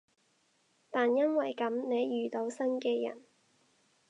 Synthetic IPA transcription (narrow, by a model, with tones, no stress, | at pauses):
t̪aː˨njɐ˥nwɐ˨˩jkɐ˨˥mne˨˧jːyː˨t̪o˨˧˥wsɐ˥nkɛː˧jɐ̰˨˩n